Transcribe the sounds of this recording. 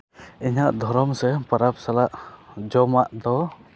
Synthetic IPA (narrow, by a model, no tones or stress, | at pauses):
iɲaʔd̪ʱɔɾɔmsɛpəɾap̚salaʔd͡ʒɔmaʔd̪ɔ